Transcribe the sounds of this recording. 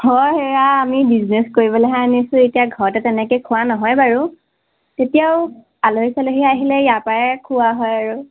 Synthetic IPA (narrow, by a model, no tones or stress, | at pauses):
hɔjɦɛaːmibizneskoɹibɔlɛɦɛanisʊ̃etijaɡʱɔɹɔtɛtɛnɛkojkʰʊanɔɦɔjbaɹu | tetijaʊ | aloɦisaloɦiaɦilɛjapaɹɛkʰʊwaɦɔjaɹu